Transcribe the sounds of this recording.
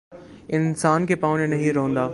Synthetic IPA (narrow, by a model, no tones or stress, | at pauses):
ɪnsaːnkʰeːpaːʋnɪnɐɦĩɾɐɦə̃nd̪aː